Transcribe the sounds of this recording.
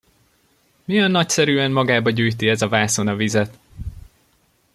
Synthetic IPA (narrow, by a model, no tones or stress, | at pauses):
mijɛnːɒcsɛɾyːɛnmɒɡaːbɒɟyːjt̪iɛzɒvaːso̞nɒvizɛt̪